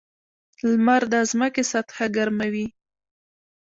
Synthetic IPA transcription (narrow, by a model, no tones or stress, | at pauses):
lmaɾd̪azməkesat̪xaɡaɾmawi